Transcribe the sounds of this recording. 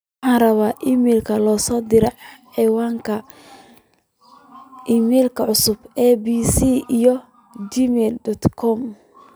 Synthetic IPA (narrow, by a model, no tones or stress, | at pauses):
wɑħɑ̃ːnrɐβaːʔimɛlkʰɐlɔːsɔːd̪ɪɾɛʕħɛwaːŋkʰɐ | ʔiːmɛːlkʰɐʕʊsʊbɛːbiːsiːijɔ | d͡ʒimɛldɔt̪kʰɔm